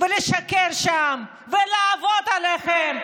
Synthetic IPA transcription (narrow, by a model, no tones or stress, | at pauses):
veleʃakeɾʃam | velaːvod̪aleχem